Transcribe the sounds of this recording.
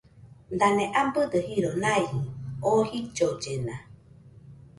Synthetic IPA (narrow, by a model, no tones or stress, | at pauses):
nd̪anẽʔambɨd̪əhiɾonaihiohid͡ʒod͡ʒena